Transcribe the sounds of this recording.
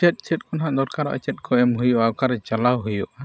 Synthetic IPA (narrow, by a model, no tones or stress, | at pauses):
ɛt̪̚ˀt͡ʃɛt̪̚ˀkɔnɦaʔd̪ɔɾkaɾɔ̰ʔə̰t͡ʃɛt̪̚kʰɔɛmɦujɔʔawkaɾɛt͡ʃalawɦujɔʔa